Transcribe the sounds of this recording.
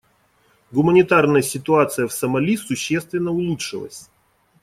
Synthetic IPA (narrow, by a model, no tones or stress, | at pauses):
ɡʊmənʲɪt̪arnəjəsʲɪt̪ʊat̪sɨjəfsəmɐlʲisʊɕːest̪vʲɪnːəʊlˠutʂɨlˠə̰sʲ